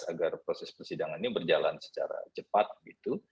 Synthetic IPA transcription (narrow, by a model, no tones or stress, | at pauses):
aɡarpɾosɛspərsidaŋannibərd͡ʒalansə̥t͡ʃa̰ɾa̰t͡ʃəpat̪̚ɡit̪u